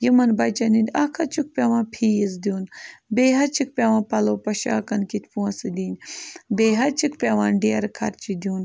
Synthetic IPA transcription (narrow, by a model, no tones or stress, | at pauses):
jimɐnbɐjt͡ʃɐnind̪ʲakʰɐt͡ʃʰuk̚pʲaːʋãːpʰiːjiz̬d̪iuːnbeːɦɐt͡ʃʰik̚pʲaːʋãːpɐloːpɐʃa̰ːkɐnkit̪ʲpuɐsɨd̪iːnʲbeːɦɐt͡ʃʰikpʲaʋaːnɖijɐɾkʰɐɾt͡ʃid̪ʲjuːn